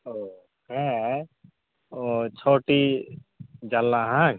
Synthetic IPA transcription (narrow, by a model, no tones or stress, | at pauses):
o | hɛ̃ | ot͡ʃʰoʈi | d͡ʒalːaɦã